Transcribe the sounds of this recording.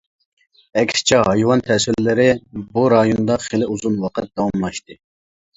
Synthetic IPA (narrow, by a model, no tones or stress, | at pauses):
ɛkʲsɪ̥t͡ʃʰɛɦɑjwɑnt̪ʰɛsɪɾlɪɾɪbuɾɑjond̪ɑχelɪuzunwɑqʰət̪̚d̪̥ɑwɑmlˠɑʃt̪ɨ